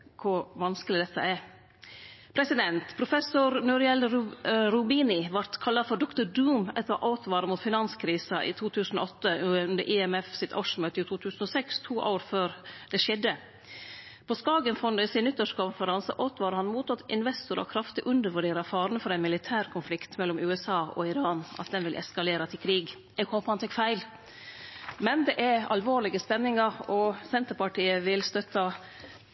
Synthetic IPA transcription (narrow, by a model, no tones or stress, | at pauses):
kʰʊɾʋɑnskəlɪd̪ɛt̪ʰːə̰æɾ | pʰɾɛsɪd̪ɛnt̪pʰɾʊfɛsʊɾnuɾɪɛlɾʊbiːnɪʋɑɾt̪kʰɑlːɑfɔɖɔkt̪ʊɖuːmɛt̪ɑʔaʊt̪ʋɑːɾəmuːt̪fɪnɑnskʰɾiːsɑʔḭːt̪ʰuːt̪ʰʉːsn̩o̰ɔt̪ːəʉnd̪əɾʔɪɛmɛfsɪt̪ʰɑʂmøːt̪əɪt̪ʰuːt̪ʰʉːsn̩oːsɛkst̪ʰuːʔoːɾføːɾd̪ɛʂɛd̪ːə | pʰɔskɑːɡənfɔnəsɪnʏt̪ːəʂkʊnfəɾɑnsə̰ʔoːt̪ʋɑːɾəhɑnmuːt̪ɑt̪ɪnʋɛst̪ʊɾɑ̰kʰɾɑft̪ɪʔʉnd̪əɾʋʉɖeːɾɑfɑːɾənəfɔɾɛɪnmɪlɪt̪ʰæːɾkʰʊnflɪkt̪mɛlːɔmʉːɛsɑːɔ̰ɪɾɑːnɑ̰t̪̚d̪ɛnʋɪlʔɛ̰skɑleːɾɑt̪ʰɪlkʰɾiːɡ | ɛɡhoːpəhɑnt̪ʰɛkfæɪl | mɛnd̪ɛʔɛɾɑlʋoːɾlɪɡəspɛnːɪŋɑɾɔsɛnt̪əɾpɑʈiːəʋɪlst̪œt̪ʰɑ